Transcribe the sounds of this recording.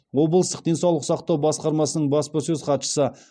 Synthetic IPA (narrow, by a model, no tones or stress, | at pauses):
wo̞blˠəst̪əq̚d̪e̞nsɑwlˠəqsɑqt̪ɑwbɑsqɑɾmɑsənəɴbɑspəsɵzqɑt̪ʃə̥sə